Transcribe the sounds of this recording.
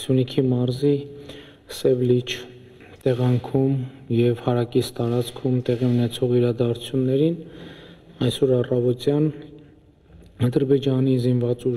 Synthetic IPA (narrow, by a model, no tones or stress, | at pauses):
sjunikʰimɑɾzi | sɛvlit͡ʃʰ | t̪ɛʁɑŋkʰum | jɛvhɑɾɑkist̪ɑɾɑt͡skʰumt̪ɛʁiunɛt͡sʰɔʁiɾɑd̪ɑɾu̥t͡sʰjunːɛɾin | ɑjsɔɾɑrɑvɔt̪jɑn | ɑd̪əɾbɛd͡ʒɑnizinvɑt͡su